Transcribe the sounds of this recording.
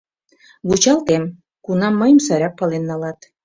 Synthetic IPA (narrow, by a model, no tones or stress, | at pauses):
βut͡ɕɑlt̪em | kunɑmːəjmsæɾɑk̚pɑlenːɑlɑt̪